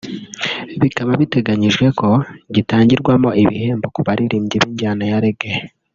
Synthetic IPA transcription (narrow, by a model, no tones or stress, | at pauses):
βikaβaβite̞ɡaɲiʒɡwe̞ko̞ɟitaːɲɟiɾɡwamoiβḭhe̞ːmbo̞kuβaɾiɾiːmɟeβiːɲɟaːnajaɾeɡe